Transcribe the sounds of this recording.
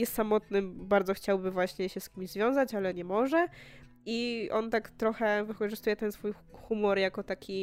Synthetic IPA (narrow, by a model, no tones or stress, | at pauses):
jɛst̪samɔt̪nɘmbaɾd̪ɔxt͡ɕawbɘvwaɕɲɛɕɛskʲimʲizvʲjɔ̃w̃zat͡ɕalɛɲɛmɔʐɛ | iʔɔnt̪akt̪ɾɔxɛvɘkɔʐɘst̪ujɛt̪ɛnsfuj | xumɔɾjakɔt̪akʲi